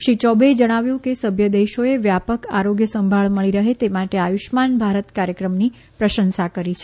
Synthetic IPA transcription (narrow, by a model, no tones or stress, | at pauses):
ʃit͡ʃɔbed͡ʒəɽ̃aʋjũkesəbʱjəd̪eʃoeʋjapəkaɾoɡjəsəmbʱaɭməɭiɾəɦet̪emaʈeajuʃmanbʱaɾət̪kaɾjəkɾəmni | pɾəʃənsakəɾit͡ʃʰe